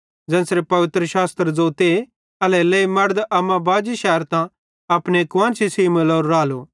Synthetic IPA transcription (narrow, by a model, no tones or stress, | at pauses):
d͡zɛ̃ːsɾepɐʋɪt̪ɾəʃaːst̪ɾd͡zoːt̪e | ɐlɛlɛimɐɽd̪ɐmãbaːd͡ʒiʃɛːɾt̪ã | ɐpnekʋãːnsisiːməloːɾːaːlo